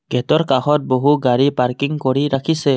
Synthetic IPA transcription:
ɡɛtɔɾkaxɔt̚boɦuɡaɹipaɹkiŋkɔɹiɾakʰisɛ

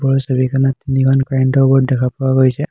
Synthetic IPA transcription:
bɔɹɔsobikʰanattːinikʰɔnkajɛntɔbɔt̚dɛkʰapɔwaɡojsɛ

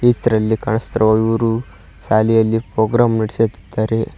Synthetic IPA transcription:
iɐɾɐlːikaɳɐst̪ɐɾɐʋaɡiʋɐɾu | saːlijɐlːipɾoːɡɾaːmniɽiset̪i̥d̪̥ːaːɾe

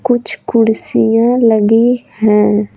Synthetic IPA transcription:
kʊt͡ʃʰkʊɽsijãləɡihɛ̃ː

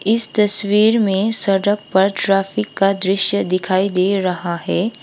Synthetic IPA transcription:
ɪst̪ɐswiːɾmẽsɐɽək̚pɐɾʈɾaːfʰɪkːad̪ɾɪʃjəd̪ɪkʰaːid̪eːɾɐɦaɦɛː

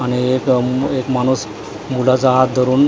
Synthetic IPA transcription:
aniekekmañuːs | mulat͡saɦat̪̚d̪ʱəɾuːn

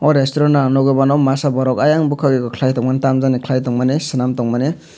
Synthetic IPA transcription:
ɔɾestɔɾɔnanɔɡebanɔmasabɔɾɔkajaŋbukʰaweɡɔkʰlajtɔŋmantamzanikʰlajtɔŋmanesɯnamtɔŋmane

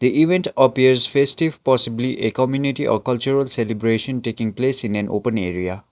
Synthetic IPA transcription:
d̪iʔiʋẽnʈəpiəɾzfesʈiʋpɔsibliʔekɔmjuniʈiʔɔ̰ɾkʌlt͡ʃuɾəlselibɾeʃə̃nʈeːkĩŋpleːsĩnæ̃nʔo̰ːpə̃neːɾia

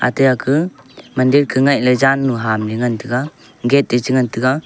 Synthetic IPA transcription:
a̰tɯjakʰɯmandiɾkʰɯŋaj̚ləzanːuɦamliŋantʰɯɡa | ɡet̚det͡ʃɯŋantɯɡa

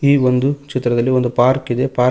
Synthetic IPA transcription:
iːʋo̞nd̪ut͡ʃit̪ːɾɐd̪ɐlːiond̪upaːɾkid̪e̞paː

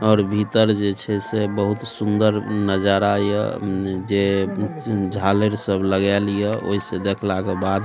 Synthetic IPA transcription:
ɔːɾbʱit̪əɾd͡ʒet͡ʃʰɛsebəɦut̪sund̪əɾnəd͡ʒaɾajə̰d͡ʒe | d͡ʒʱaleɾsəbləɡɛlijəo̰ɦised̪ekʰlakebad̪

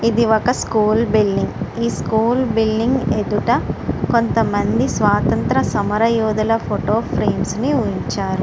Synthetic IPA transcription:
id̪iʋɔkɐskuːlbilɖiŋɡiːskuːlbilːiŋɡed̪uʈɐko̞nt̪ɐmɐnd̪isʋaːt̪ɐnt̪ɾɐsɐmɐɾɐjuːd̪ɐlɐpʰoʈoːpʰɾeːmsniuiɲt͡ʃaːɾu

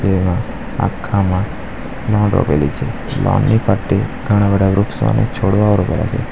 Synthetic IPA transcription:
d͡ʒemã | a̰kʰːamã | lɔ̃ɳɖɾo̰pelit͡ʃʰe | lʔɔ̰̃nːipʰəʈeɡʱəɽ̃ãbəɖ̪aʋɾʊksa̰net͡ʃʰoɽʋaʋəɾopela̰t͡ʃʰe

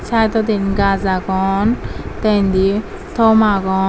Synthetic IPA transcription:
t͡sʰajt̪ɔd̪iniɡazaɡɔnt̪and̪i | t̪ʰɔmaɡɔ

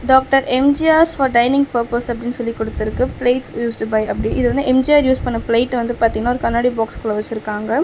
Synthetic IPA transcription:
ɖaːk̚ʈɐɾʔɛmd͡ʒiaːɾfɐːɾɖɐɪnɪ̃ŋɡpɐɾpoːsɐpːɐɽɪnːɯsɔlːikːɔɽɯt̪ːɪɾɯkːɯpleːʈsjuːsʈubɐɪɐpːɐɽiʔɪ̰ðɯʋɐnd̪ɯʔɛmd͡ʒiaːɾjuːspɐɳːɐpleɪʈːʋɐnd̪ɯpaːɾt̪iŋɡɐnaːɔɾɯkɐnːaːɽibaːkskɔlɐʋɐt͡ʃːɪɾɯkːaːŋɡɐ

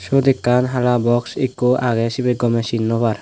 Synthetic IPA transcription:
ʃod̪ikːanɦalabɔksikːoaɡɛsibɛɡɔmɛsinːɔbaɾ

